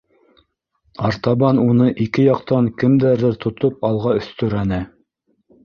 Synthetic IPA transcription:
ɑɾt̪ɑβɑnunɤʔikɘjɑqt̪ɑŋkɘ̆md̪æɾðɘɾt̪ʰŏt̪opɑlˠʁɑɵ̆θt̪ɵ̆ɾænɘ

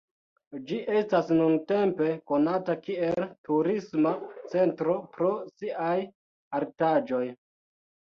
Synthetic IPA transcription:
d͡ʒiʔe̞stasnunte̞mpe̞ko̞natakie̞ltuɾismat͡se̞ntɾo̞pɾo̞siʔaj | aɾtad͡ʒo̞j

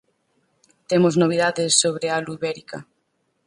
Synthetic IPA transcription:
t̪emoznoβ̞iðaðɪsːoβɾealuiβɛɾika̰

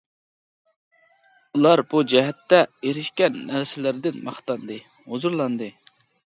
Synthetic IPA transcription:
ulˠɑɾb̥ud͡ʒɛɦɛt̪ːɛeɾɪʃkʲɛnːæɾsɪlɪɾɪd̪ɪnmɑχt̪ɑnd̪ɨ | hozuɾlˠɑnd̪ɨ

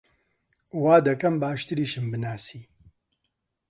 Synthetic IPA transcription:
waːd̪ɐkɐmbaːʃt̪ɨɾiːʃɨmbɨnaːsiː

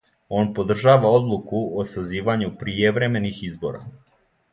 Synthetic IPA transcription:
o̞npo̞d̪r̩ʒaːʋao̞d̪lˠukuosaziːʋaɲupɾieʋɾe̞me̞nixizbo̞̰ɾa̰

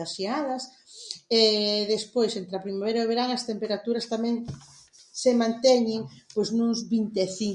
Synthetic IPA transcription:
aʃiaðɐs | ɛðespojsent̪ɾɐpɾimaβejɾɐoβeɾaŋɐst̪empeɾat̪uɾɐst̪amɛ̃ŋ | semãnt̪ɛɲɪŋpojznʊzβint̪eθiŋ

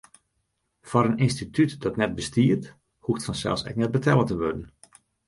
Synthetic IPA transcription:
fɔɾəninstitʰytdɔtnɛt̚bəstiərt | hutfɔnsɛ̰lˠsɛ̰k̚nɛt̚bətʰɛlˠətəʋødən̩

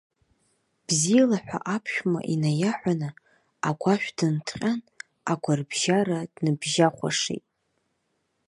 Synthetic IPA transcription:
b̥zijalaħᶣʷa̰ʔapʰʃᶣma̰ʔinajaħʷanɨ | aɡʷaʃᶣʷdɨntʰqʲʼan | aɡʷarbʒaɾadnɨbʒaχʷa̰ʂḛjtʼ

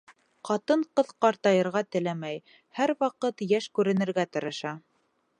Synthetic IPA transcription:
qɑt̪ɤɴqɤðqɑɾt̪ɑjɤ̆ɾʁɑt̪ɘ̆læmæj | hæɾwɑqɤt̪jæʃkʉɾɘ̆nɘ̆ɾɡæt̪ɤ̆ɾɤ̆ʃɑ

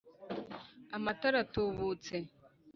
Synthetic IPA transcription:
amataɾatoβot͡se

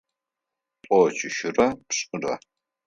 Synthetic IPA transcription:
pʼɔt͡ʃʰʼɪʃɪrɐpɕʼɨrɐ̰

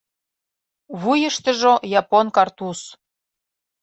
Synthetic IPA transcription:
βujəʃt̪ə̆ʒojɑponkɑrt̪us

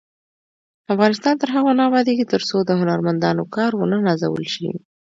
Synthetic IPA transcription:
afɣɑnɪst̪ɑnt̪əɾɦaɣanɑwɑd̪ekit̪əɾsod̪əhʊnaɾmand̪ɑnokɑɾwənənaza̰wə̰lʃḭ

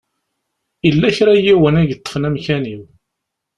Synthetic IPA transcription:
ilːæçɾæjiwənæʝət̪ˤːə̥fnæmçæniw

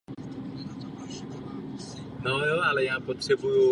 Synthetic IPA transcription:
nojoʔalɛjaːpot̪r̥ɛbuju

